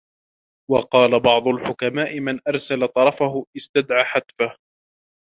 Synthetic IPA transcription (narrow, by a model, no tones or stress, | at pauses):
wɑqɑːlabɑʕd̪ˤʊlħʊkamaːʔɪmanʔɑɾˤsalat̪ˤɑɾˤɑfahʊʔɪst̪ad̪ʕaːħat̪fah